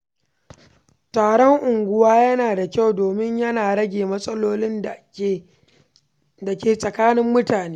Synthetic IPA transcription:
taː˨ɽɔ˦ŋʔʊ˨ŋɡʷʊ˦waː˦jɐ˦naː˨da˨kʲa˦˨wdoː˨mɪ˦ɲjɐ˦naː˨ɽɐ˦ɡʲeː˨mɐ˦sʼɐ˦loː˦lɪ˦n˨ | da˨kʲeː˨sʼɐ˨kaː˦nɪ˦mːʊ˦taː˨neː˦

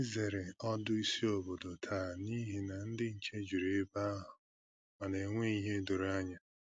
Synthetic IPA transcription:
i˦ze˨ɾe˨ɔ˦dʊ˦i˦si˦o˨bo˨do˨tʰaː˦˨ni˦ɦi˨na˨n̩˦dɪ˦n̩˨t͡ʃe˦d͡ʒu˨ɾe˨˦ba˦a˦ɦʊ˨ | ma˨ne˨ŋʷe˦i˨ɦe˦do˨ɾa˦ɲa˨

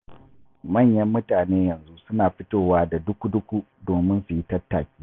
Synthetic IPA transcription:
mɐ˦˨ɲjɐ˦mːʊ˦taː˨neː˦jɐ˨nzu˦sʊ˦naː˨ɸɪ˦toː˦˨waː˦da˨dʊ˦kʷu˦dʊ˦kʷu˦ | doː˨mɪ˦nsʊ˨ji˦tɐ˦tːaː˨kʲiː˦

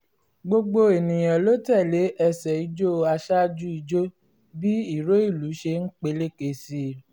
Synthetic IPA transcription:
ɡ͡bo˧ɡ͡bo˧e˨nĩ˨j̃ã˨lo˦tɛ˦˨le˨˦ʔɛ˧sɛ˨i˨˦d͡ʒo˦˧a˧ʃa˦d͡ʒu˦i˧d͡ʒo˦ | bi˦i˦˨ɾo˦i˦˨lu˨˦ʃe˧n̩˦k͡pe˧le˦˨ke˨si˦

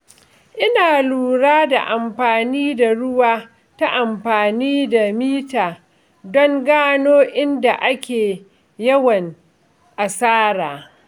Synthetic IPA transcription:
ʔɪ˦naː˨luː˨ɽaː˦da̰˨ʔa˨mɸaː˨niː˦da˨ɽʊ˦waː˦ | ta˦ʔa˨mɸaː˨niː˦da˨miː˦taː˨ | dɔ˦ŋɡaː˦noː˦ʔɪ˦nda˨ʔa˦kʲeː˨ | jɐ˦wɐ˨ŋ | ʔa˨saː˦ɾaː˨

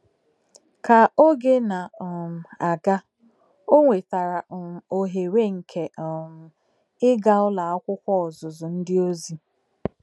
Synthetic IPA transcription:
ka˨o˦ɡe˦na˨m̩˨a˨ɡa˦ | o˦ŋʷe˨ta˨ɾa˨m̩˨o˨ɦe˨ɾe˦ŋ̩˨kʰe˨ɔ˨m̩˨ | ɪ˦ɡa˦ʊ˦la˨a˦kʷʊ˦kʷɔ˦ɔ˨zʊ˨zʊ˨n̩˦dɪ˦o˦zi˦

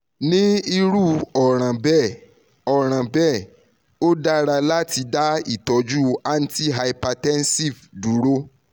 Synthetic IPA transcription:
nĩ˦i˧ɾu˦ɔ˨ɾ̃ã˨bɛ˦˨ | ɔ˨ɾ̃ã˨bɛ˦˨ | o˦da˦ɾa˧la˦ti˧da˦i˦˨tɔ˨d͡ʒu˦a˦n̩˦ti˦ɦa˧ipa˧tɛ˦n˦si˦˨vdu˨˦ɾo˦

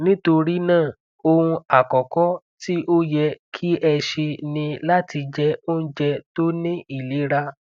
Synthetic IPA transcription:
nĩ˦to˧ɾi˦nãː˦˨ | o˧hũ˧a˨kɔ˨kɔ˦ti˦ʔo˦jɛ˧kʰi˦ɛ˧ʃe˧nĩ˧la˦ti˧d͡ʒɛ˧o˦n̩˦d͡ʒɛ˧to˦nĩ˦i˦˨le˨˦ɾa˧

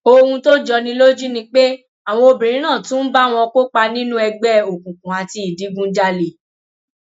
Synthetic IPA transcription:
o˧hũ˧to˦d͡ʒɔ˧nĩ˧lo˦d͡ʒu˦nĩ˧k͡pe˦ | a˨w̃ɔ̃˧o˧bi˨ɾĩ˨˦nã˦˨tũ˦n̩˦ba˦w̃ɔ̃˧ko˦k͡pa˧nĩ˦nũ˦ɛ˧ɡ͡bɛ˦˨o˨kũ˨kũ˨a˨ti˧i˨di˨˦ɡũ˦d͡ʒa˦le˨

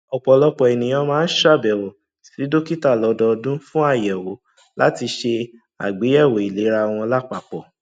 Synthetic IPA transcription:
ɔ˨k͡pɔ˨lɔ˦k͡pɔ˨ɛ˨nĩ˨j̃ɔ̃˧˦mãː˦n̩˦ʃa˦˨bɛ˨wo˨ | si˨˦do˦ki˦ta˦˨lɔ˨˧dɔ˧dũ˦fũ˦a˦˨jɛ˨wo˨ | la̰˦ti˧ʃe˧ | a̰˨ɡ͡be˨˦ɛ˦˨wo˨i˨le˨˦ɾa˧w̃ɔ̃˧la˦k͡pa˨k͡pɔ˨

